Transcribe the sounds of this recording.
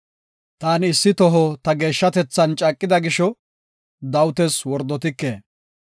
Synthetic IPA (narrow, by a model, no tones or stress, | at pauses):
t̪aːnɪsːɪt̪ɔɦɔt̪ɐɡe̞ːʃːɐt̪ɛt͡sːɐnt͡ʃʼɐkʼːɪd̪ɐɡɪʃɔ | d̪ɐwʊt̪ɛswɔɾd̪ːɔt̪ɪkːeː